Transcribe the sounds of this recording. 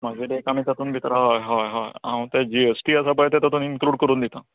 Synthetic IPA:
məd͡zeɖekamit̪at̪uːnbʱit̪ɾaɦɔjɦɔjɦɔjãt̪ad͡ʑiesʈiːəsapəjt̪at̪at̪uːninkluːɽkəɾuːnd̪it̪a

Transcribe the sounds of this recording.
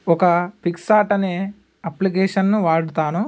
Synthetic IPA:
ɔkɐpiksaːʈɐneː | ɐplik̬eːʂɐnːuʋaːɽut̪aːnu

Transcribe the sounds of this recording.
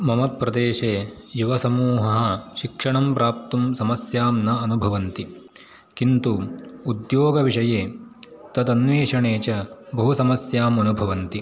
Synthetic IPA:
mɐmɐt̪̚pːɾɐd̪eːʃeːjuʋɐsɐmuːɦɐɦɐ̆ʃikʂɐɳɐmpɾaːp̚t̪umsɐmɐsjaːmnɐɐnubʱɐʋɐnt̪i | kint̪uːd̪joːɡɐʋiʂɐjeː | t̪ɐt̪ɐnʋeːʂɐɳeːt͡ʃɐbɐɦusɐmɐsjaːmɐnubʱɐʋɐnt̪i

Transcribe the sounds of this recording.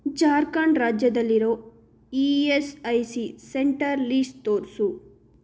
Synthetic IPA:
d͡ʒaːɾkaːɳɖɾaːd͡ʒjɐd̪ɐlːiɾo̞ː | iesɐjsiseɳʈɐɾliːsʈt̪oːɾsu

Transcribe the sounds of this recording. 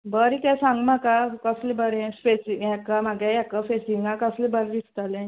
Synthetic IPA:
bəɾikɛsãŋɡmakakəslebəɾɛ̃spesijɛkamaɡɛjɛkafesiŋɡãkəslebəɾd̪ist̪alɛ̃

